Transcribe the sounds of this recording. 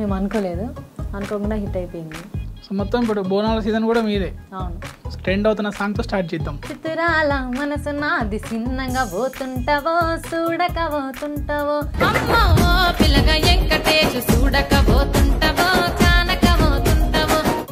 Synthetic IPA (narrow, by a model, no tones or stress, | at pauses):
me̞ːmɐnkoːleːd̪uɐnkoːkuɳɖaɦiʈːɐjpoːjind̪isomɔt̪ːɐmip̬uɽuboːnaːlɐsiːd̪ɐnkuːɽɐmiːd̪eːɐwnusʈɾeɳɖɐwt̪̬unːɐsaːŋt̪oːsʈaːʈ̚t͡ʃɛjd̪ːaːmt͡ʃit̪uɾaːlɐmɐnɐsunaːd̪isinːɐŋɡɐboːt̪uɳʈɐʋosuːɽɐkɐʋoːt̪uɳʈɐʋoːɐmːoːopilɐɡɐjeŋkɐʈeːt͡ʃusuːɽɐkɐboːt̪uɳʈɐʋoːkaːnɐkɐʋoːt̪uɳʈɐʋoː